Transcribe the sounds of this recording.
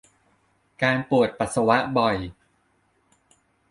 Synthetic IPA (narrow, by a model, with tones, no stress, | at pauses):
kaː˧npu˨˩ət̪̚pa˨˩t̪sa˧wa˦˥ʔbɔ˨˩j